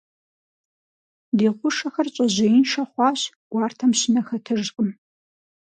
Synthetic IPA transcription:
diːʁʷʊʂɐxɐrɕʼɐʑɪjɪnʃɐχʷɑːɕ | ɡ̥ʷɑːrtʰɐmɕɪnɐxɐtʰɨʐqʼəm

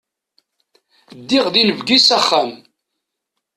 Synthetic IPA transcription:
d̪ːiʁðinəvɡisæχːæm

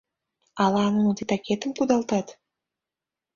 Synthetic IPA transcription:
ɑlɑnunot̪it̪ɑket̪əmkud̪ɑlˠt̪ɑt̪

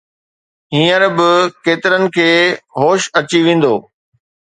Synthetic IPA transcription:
ɦĩːəɾbɪkeːt̪ɪɾənɪ̆kʰeːɦoːʃɐt͡ɕiʋẽːn̆d̪oː

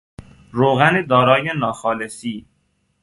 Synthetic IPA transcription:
ɾoːɣæned̪ɒːɾɒːjenɒːxɒːlesiː

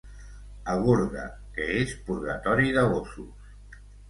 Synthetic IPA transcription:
aɣ̞uɾðə̰ | kəespuɾɣɐt̪ɔɾiðəβosus

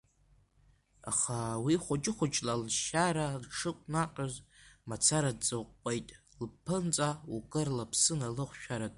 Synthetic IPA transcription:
a̰χawiχʷʊd͡ʒʼɪχʷʊt͡ʃʼlalʃaɾalʈ͡ʂʰɨkʷʼnaqʲʼazmat͡sʰaɾadd͡zɨqʷʼpʼejtʼ | lpʰːɨnt͡sʼaukʼɨrlapʰsɨnalɨχʷʃᶣaɾatʼ

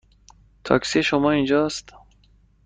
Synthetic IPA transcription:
t̪ʰɒ̰ksiʃomɒind͡ʒɒːst̪

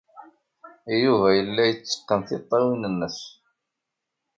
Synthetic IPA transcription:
juvæjəlːæjət͡sːə̥qːənθɪt̪ˤːɑwinənːəs

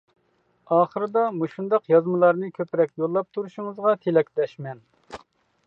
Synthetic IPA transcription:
ɑːχəɾɨd̪ɑmuʃund̪ɑqjɑzmɨlˠɑɾnɨkʲʰøpɾɛkʲjolˠːɑp̚t̪ʰuɾuʃuŋəzʁɑt̪ʰelɛkʲlɛʃmɛn

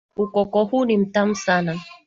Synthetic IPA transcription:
ukɔkɔhunim̩tam̩sana

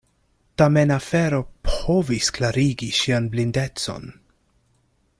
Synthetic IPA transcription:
tamenafeɾopovisklaɾiɡiʃianblinde̞t͡so̞̰n

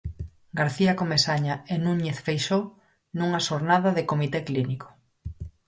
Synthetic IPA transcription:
ɡaɾθiakomesaɲaenuɲeθfejʃow | nuŋaʃoɾnaðɐðekomit̪ekliniko̥

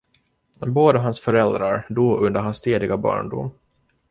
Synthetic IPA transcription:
boːd̪əɦansfœɾɛld̪ɾaɾd̪uːɵnd̪əɾhanst̪ʰeːd̪ɪɡabɑ̰ːɳɖʊ̰m

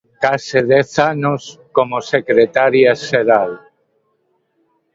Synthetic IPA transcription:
kaseðɛθanoskomosekɾet̪aɾjaʃeɾal

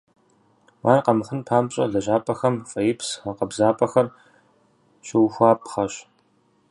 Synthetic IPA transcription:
waːnqɐmxɨnpʰaːmɕʼɐ̰ɮɐʑaːpʼɐxɐmfʼɐjɪpʰsɐqɐbzaːpʼɐxɐr | ɕɪwxʷaːp̚ʼχɐɕ

